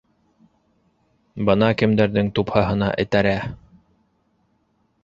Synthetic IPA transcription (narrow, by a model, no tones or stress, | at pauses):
bɤnɑkɘ̆md̪æɾðɘŋt̪uphɑɦɤ̆nɑ̰ʔɘ̰̆t̪æɾæ